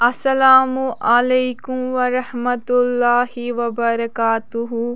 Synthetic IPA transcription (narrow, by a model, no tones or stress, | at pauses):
ʔɐsɐlaːmuʔɐlejkumʋɐɾɐhmɐt̪ʊlːaːhiʋɐbɐɾɐkaːt̪uɦu